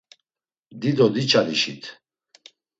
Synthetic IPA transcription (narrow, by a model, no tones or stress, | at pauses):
d̪id̪ɔd̪it͡ʃʰʼaliʃḭt̪ʰ